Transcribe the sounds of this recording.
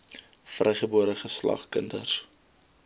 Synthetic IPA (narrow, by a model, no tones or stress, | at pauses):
frɛjχəbuəɾəχəslɐ̰χkəndər